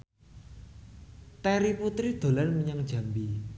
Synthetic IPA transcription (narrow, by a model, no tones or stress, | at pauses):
t̪ɛɾiput̪ɾihd̪̥o̤lanməɲaŋd̥ʒ̥a̤mbi